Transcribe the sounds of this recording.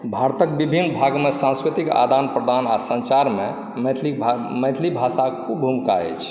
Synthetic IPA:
bʱaɾt̪ək̚bibʱinːbʱaɡmesãnskɾit̪ika̰d̪anpɾəd̪ʱanasə̃nt͡ʃaɾme | meʈʰli | meʈ̪ʰlibʱasakʰubʱumka̰ɛ̰t͡ʃʰ

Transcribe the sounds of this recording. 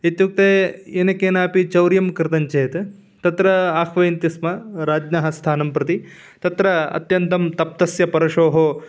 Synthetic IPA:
et̪juk̚t̪eːenɐkeːnaːpit͡ʃɐwɾjɐmkɾɨt̪ɐɲt͡ʃeːt̪ | t̪ɐt̪ɾɐaːxʋɐjnt̪ismɐɾaːd͡ʒnaɦɐst̪ʰaːnɐmpɾɐt̪i | t̪ɐt̪ɾɐɐ̰t̪jɐnt̪ɐmt̪ɐp̚t̪ɐsjɐpɐɾɐʂoːɦoː

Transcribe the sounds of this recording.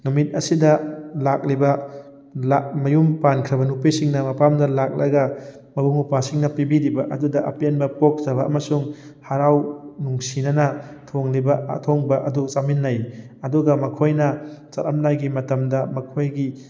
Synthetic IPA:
numit̚ɐsidɐlak̚libɐ | lamɐjumpankʰɾɐbɐnupisiŋnɐmɐpamdɐlak̚lɐ̰ɡɐ | mɐbuŋupasiŋnɐpibiɾibɐʔɐdudɐʔɐpenbɐpok̚tɐβɐːmɐsuŋ | haɾawnuŋsinɐnɐtʰoŋlibɐ̰tʰoŋbɐʔɐdut͡ʃaminːɐj | ɐduɡɐmɐkʰojnɐt͡ʃɐɾɐmnajɡimɐtɐmdɐmɐkʰojɡi

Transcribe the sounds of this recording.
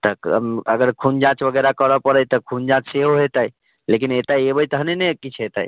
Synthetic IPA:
t̪əkəɡəɾkʰund͡ʒãt͡ʃbəɡɛɾakəɾəpəɾəjt̪əkʰund͡ʒãt͡ʃseɦoɦet̪əj | lek̬inet̪ajebəjt̪əɦnenekit͡ʃʰɦet̪ə̰j

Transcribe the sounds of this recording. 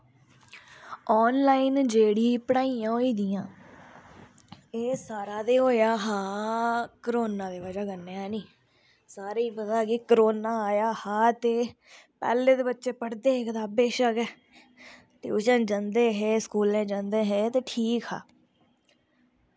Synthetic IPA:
ɔːnlaːiːnd͡ʒeːɽiːpəɽaːiːãːɦoːiːd̪ijãː | eːsaːɾaːd̪eːɦoːjaːɦaː | kəɾoːnãːd̪eːʋəd͡ʒaːɡənːeːɛːnĩː | saːɾiːpəd̪aːkikəɾoːnaːaːjaːhaːt̪eː | pɛ̰ːleːt̪eːbətːʃeːpəɽd̪eːɦeːkət̪aːbeːʃəkɛː | t̪ḛːʊʃãːd͡ʒãnd̪eːɦeːskuːlẽːd͡ʒãnd̪eːɦeːt̪eːʈʰiːkha̰ː

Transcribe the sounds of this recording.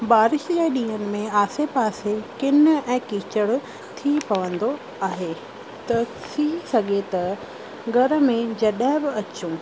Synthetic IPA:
baːɾɪʃd͡ʑeːɗĩːɦənɪ̆mẽaːsepaːsekɪnɛ̃ːkiːt͡ɕəɽ | t̪ʰipɐʋə̃nd̪o | aːɦeː | t̪ɐt̪ʰisɐɡʱet̪ɐ | ɡʱɐɾəmẽd͡ʑɐɗɦɪ̃bɪɐt͡ɕũː

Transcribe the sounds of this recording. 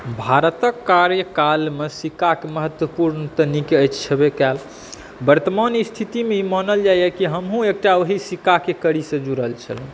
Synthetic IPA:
bʱaɾət̪əkːaɾjəkalmesikakeməɦət̪wəpuɾnət̪ənikeəjt͡ʃt͡ʃʰəbekɛl | bəɾt̪əmanist̪ʰit̪imeimənəld͡ʒajəkiɦəmɦũek̚ʈaoɦisikakekəɾisəd͡ʒuɾəɦəlt͡ʃʰə̰l

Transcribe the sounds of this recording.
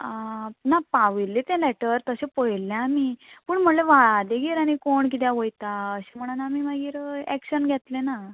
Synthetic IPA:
napaʋilːet̪ẽlɛʈəɾt̪əɕepəjlːẽamiːpəːɳm̤əleʋad̪eɡeɾaɽ̃ikoɳk̬it̪̬jãʋəjt̪aəɕem̤əɽ̃unamimaɡiːɾɛ̰kɕənɡʱɛt̪lena

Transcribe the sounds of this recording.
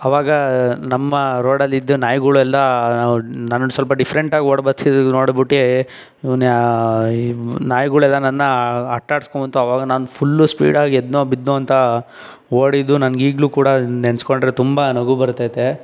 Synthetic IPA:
ɐʋaːɡɐnɐmːɐɾoːɽɐlːid̪ːunaːjɡuɭuɛlːɐaunɐnɐsɐlpɐɖipʰɐɾeɳʈaːɡioːɽbɐt̪ʰid̪noːɽbiʈːe | in | naːjɡuɭɛlːɐnɐnːɐɐʈːaːɽskombɐnt̪uɐʋaːɡɐnaːnupʰulːuspḭːɽaːɡied̪noːbid̪noːɐnt̪ɐ | oːɽid̪ːunɐnɡiːɡluːkuːɽɐenskoɳɖɾet̪umbɐnɐɡubɐɾt̪ːaːjt̪e

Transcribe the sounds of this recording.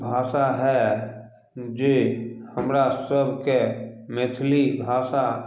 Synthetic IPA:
bʱaːʃaɦɛ | d͡ʒehəmɾasəbʱkemɪt̪ʰlibʱaːʃa

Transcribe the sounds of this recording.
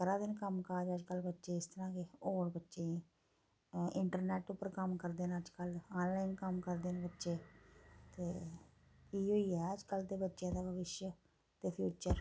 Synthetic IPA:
kəɾãːd̪ɪnkəmkaːd͡ʒəd͡ʒkəlbətːʃeːɪst̪əɾãːkeoːɽbətːʃẽ | ɪɳʈəɾneːʈʊpːəɾkəmkəɾd̪eːnəd͡ʒkəlaːnlaːinkəmkəɾd̪eːnebətːʃeːt̪eː | kiːɦoːiːɛːəd͡ʒkəlt̪eːbətːʃjãːd̪aːbʱəʋɪʃjə | t̪eːpʰjuːt͡ʃəɾ

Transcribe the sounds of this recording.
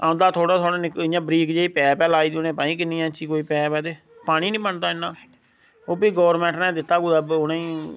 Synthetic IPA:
ãːʊ̃nd̪aːt̪ʰoːɽaːt̪ʰoːɽaːnɪkɪjãːbɾiːkd͡ʒeːiːpɛːpɛːlaːiːd̪ionẽːpãːĩːkɪniːɛ̃ːt͡ʃiːkoːiːpɛːpɛːd̪eː | paːɽ̃ĩːnĩːpəɳt̪aːɪnːaː | oːbiːɡɔːɾmɛ̃ːɳʈnɛ̃ːd̪ɪt̪ːaːɡuːd̪əbonãːĩː

